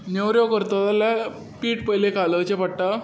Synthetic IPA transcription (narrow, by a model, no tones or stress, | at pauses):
newɾjokəɾt̪at̪ala | piːʈpəjlekalət͡ɕepəʈʈa